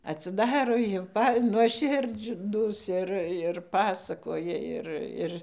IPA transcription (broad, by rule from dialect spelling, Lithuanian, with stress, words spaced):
ɐtʲsʲɪˈdɑːroː jɛʊ ˈpɐ nuɔˈʃʲɪrd͡ʒduːs ˈɪr ɪr ˈpɑːsɐkoːjɛ ˈɪr ˈɪr